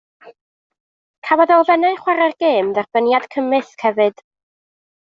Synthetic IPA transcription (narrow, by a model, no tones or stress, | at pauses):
kʰawɔðɔlˠvɛnɛχwaɾarɡeːmðɛrb̥ənjad̥kʰəmɨθkʰhɛvɨd̥